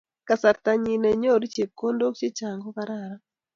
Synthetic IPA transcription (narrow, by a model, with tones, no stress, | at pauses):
ka˨sa˨ɾt̪a˨ɲi˨nɛ˨ɲo˦˨ɾi˦t͡ʃe˨p̚ko˦ndo˦kt͡ʃi˦t͡ʃa˨ŋɡo˦βa˦ɾa˦˨ɾa˦